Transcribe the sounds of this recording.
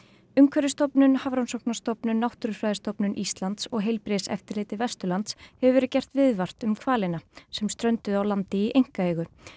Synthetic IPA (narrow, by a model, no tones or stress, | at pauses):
ʏmkʰvɛɾɪst̪ɔpnʏnhavɾɔnsɔwknḁst̪ɔpnʏnawht̪ʏɾʏ̥fɾaːjðɪst̪ɔpnʏnʔist̪lant̪sɔɣɦejlpɾesɛ̰ft̪ɪɾlɪːt̪ɪvɛst̪ʏɾlant̪shɛvʏvɛːɾʏcɛr̥t̪vɪðvar̥t̪ʏmkʰvaːlɪnasɛmst̪ɾœɥnt̪ʏðawlant̪ɪiʔejŋ̥kaeːɣʏ